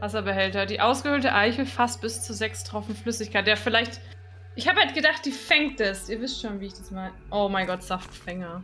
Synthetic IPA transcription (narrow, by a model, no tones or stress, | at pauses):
vasɐbəhɛltɐdiːʔaʊsɡ̥əhøːltəʔaɪçəfast̚b̥ɪst͡suːzɛkstʁ̥ɔfn̩m̩flʏsɪçkʰaɪtd̥eːɐfɪlaɪçt | ʔɪçhaːbəhalt̚ɡ̥ədaχt̚d̥iːfɛŋt̚d̥asiːɐvɪstʃoːnviːɪçd̥asmaɪnəʔoʊmaɪɡɔtz̥aftfɛŋɐ